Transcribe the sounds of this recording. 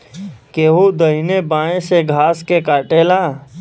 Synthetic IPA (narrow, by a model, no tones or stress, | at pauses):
keːɦod̪əɦinebaːẽseɡʱaːskekaːʈeːla